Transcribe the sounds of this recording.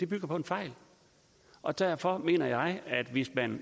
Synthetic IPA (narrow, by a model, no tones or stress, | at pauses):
d̥e̝b̥yɡ̥ɐpʰɒ̽e̝nfɑ̈ɪl | ʔɒ̽d̥æɐfɒ̽me̝̰ːnɐjɑ̈ɪæd̥ʋe̝smæn